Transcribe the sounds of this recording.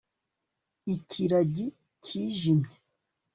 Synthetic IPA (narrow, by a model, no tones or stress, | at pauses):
icʰiɾaɟi | cʰiːʒimɲe